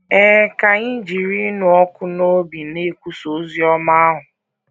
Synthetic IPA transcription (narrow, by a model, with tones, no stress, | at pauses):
ɛ˦ka˨ŋi˦d͡ʒi˨ɾi˦nʊ˦ɔ˦kʊ˦no˦bi˨ne˦kʷu˦so˨˦zi˦ɔ˦ma˦a˦ɦʊ˨